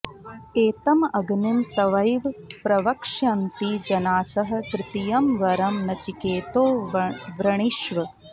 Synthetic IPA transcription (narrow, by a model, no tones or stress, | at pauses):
eːt̪ɐmɐɡnimt̪ɐʋɐjʋpɾɐʋɐkʂjɐnt̪id͡ʒɐnaːsɐɦɐ̆t̪ɾɪt̪ijɐmʋɐɾɐmnɐt͡ʃikeːt̪oːʋɾɐɳ̃iʃʋɐ